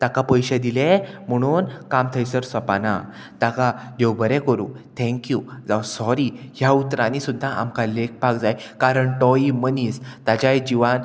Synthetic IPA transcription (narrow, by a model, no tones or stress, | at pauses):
t̪akapəjɕed̪ilem̤əɽ̃uːnkamt̪ʰəjsəɾsəpa̰na̰ | t̪akad͡ʑ̪ewbəɾɛkəɾṵːt̪ʰɛ̃ŋkjud͡zawsɔɾiɦjaut̪ɾanisud̪ʱːaʔa̰mkalek̚pakd͡zajkaɾəɳʈɔiməniːst̪ad͡ʑajd͡ʑiʋan